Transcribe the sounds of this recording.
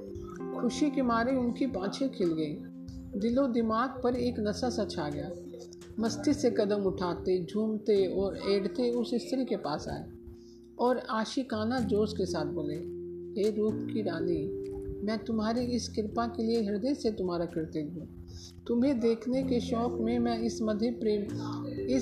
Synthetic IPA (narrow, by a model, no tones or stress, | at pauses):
kʰʊʃikɪmaːɾeʊnkipãːt͡ʃʰekʰɪlɡɐi | d̪ɪlod̪ɪmaːɡ̚pɐɾeːknɐsasɐtʃʰaɡɐjaː | mɐst̪ʰisekɐd̪əmʊʈʰaːt̪ed͡ʒʱuːmt̪eɔːɾeːɽt̪eʊsɪst̪ʰɾikepa̰ːsa̰ːḛ | ɔːɾaːʃikaːnad͡ʒoːskesaːt̪̚ʰboːlẽːeːɾuːpkiɾaːnimɛ̃ːt̪ʊmɦaːɾiɪskɪɾpakelieɦɪɾd̪eset̪ʊmɦaːɾakɪɾt̪eɦɦũː | t̪ʊmɦẽd̪eːkʰnekeʃɔːkmẽmɛ̃ɪsmɐd̪ʱjepɾeːmɪ